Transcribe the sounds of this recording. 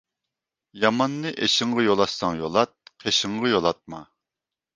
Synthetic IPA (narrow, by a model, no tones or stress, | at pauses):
jɑmɑnːɨʔeʃɪɴʁɑjolˠɑʃsɑŋjolˠɑt̪̚qʰeʃɪŋʁɑjolˠɑt̪̚mɑ